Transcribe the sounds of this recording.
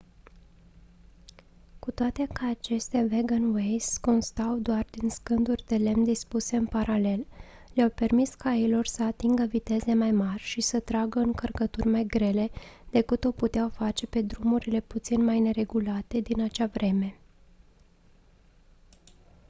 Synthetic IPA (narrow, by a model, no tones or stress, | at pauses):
kut̪oat̪ekaat͡ʃe̞st̪ʲaveɡənwejsko̞nst̪awd̪oard̪inskɨnd̪urʲd̪e̞le̞md̪ispuse̞ɨnpaɾʔale̞l | leawpe̞rmiskailo̞rsəat̪iŋɡəvit̪e̞ze̞majmarʲʃisət̪ɾaɡəɨŋkərkət̪urʲmajɡɾe̞le̞d̪̥e̞kɨt̪o̞put̪eawfat͡ʃe̞pe̞d̪ɾumuɾile̞put̪sinmajne̞ɾe̞ɡulat̪e̞d̪inat͡ʃavɾe̞me̞